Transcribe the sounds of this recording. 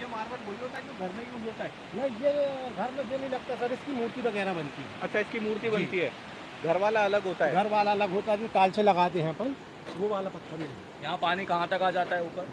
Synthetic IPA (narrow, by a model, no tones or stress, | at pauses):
jemaːɾʋəʈboːliɦoːt̪aɦɛkoɡʱɐɾmẽĩũboːt̪aɦɛ | nɐjeɡʱɐɾmẽd͡ʒenɐɦĩlɐɡ̚t̪asɐɾɪskimuːɾt̪ibɐɣɛːɾabɐnt̪iɦɛ̰ɐtːʃʰaɪskimuːɾt̪ibɐnt̪iɦɛː | ɡʱɐɾʋaːlaɐləɡɦoːt̪aɛɡʱɐɾʋaːlaɐləɡɦoːt̪aɦɛd͡ʒoʈaːlselɐɡaːt̪̬eɦɛ̃pɐ | ʋoʋaːlapɐt̪ʰːabilɐ | jɐɦãpaːnikɐɦãt̪ɐkaːd͡ʒaːt̪aɦɛʊːpəɾ